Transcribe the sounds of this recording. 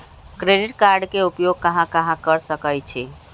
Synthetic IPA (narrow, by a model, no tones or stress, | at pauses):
kɾeɖiʈkaɾɖkeupjoɡ̚kəɦãkəɦãkəɾsəkəjt͡ʃʰi